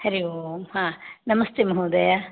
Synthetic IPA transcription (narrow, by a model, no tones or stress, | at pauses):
hɐɾiohãːnɐmɐst̪emɐɦuːd̪ɐja